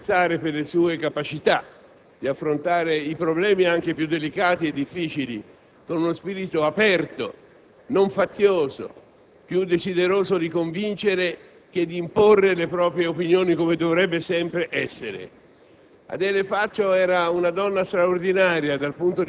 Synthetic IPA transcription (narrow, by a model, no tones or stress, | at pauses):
t̪saːɾeperlesuːekapat͡ʃit̪a | d̪̥iafːɾont̪aːɾeipɾoblɛːmiaŋk̟epjud̪ːelikaːt̪ied̪ːifːiːt͡ʃilḭ | konunospiːɾit̪oapɛrt̪o̰ | noɱfat̪sːjoːzo̰ | pjud̪ːezid̪eɾoːzod̪ikoɱvint͡ʃeɾe | k̟ed̪ːiːmporːelepɾɔːpɾjeopinjoːnikomed̪ovɾɛbːesɛmpɾeʔɛsːeɾḛ | a̰d̪ɛlefat͡ʃːoɛːɾaunad̪ɔnːast̪ɾaord̪inaːɾjad̪alpunt̪o